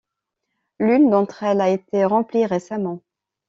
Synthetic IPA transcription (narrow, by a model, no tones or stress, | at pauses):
lynd̪ɑ̃t̪χɛlaet̪eʁɑ̃pliʁesamɑ̃